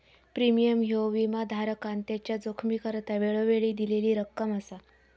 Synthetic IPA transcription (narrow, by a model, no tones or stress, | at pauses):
pɾimijəmɦoʋimad̪ʱaɾəkant̪jat͡ɕjad͡zokʰmiːkəɾt̪aʋeɭəʋeɭiːd̪ileliːɾəkːəməsa